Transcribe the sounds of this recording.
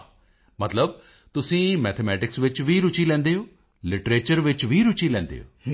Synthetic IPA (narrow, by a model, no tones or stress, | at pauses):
mət̪ləb̚ | t̪ʊsĩːmɛːt̪ʰemɛːʈɪksʋɪt͡ʃʋiːɾʊt͡ʃiːlɛ̃ːnd̪eːɦoː | lɪʈɾeːt͡ʃəɾʋɪt͡ʃʋiːɾʊt͡ʃiːlɛ̃ːnd̪ḛːɦo̰ː